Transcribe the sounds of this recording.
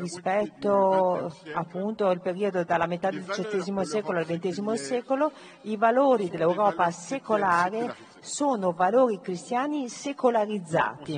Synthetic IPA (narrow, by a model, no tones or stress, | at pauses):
rispɛt̪ːo | apːunt̪oilpeɾiod̪od̪alːamet̪ad̪eld̪it͡ʃet̪ːɛːzimosɛːkoloalvent̪ɛːzimosɛːkolo | ivaloːɾid̪elːewɾɔːpasekolaːɾe | soːnovaloːɾikɾist̪jaːnisekolaɾid̪zːa̰ːt̪i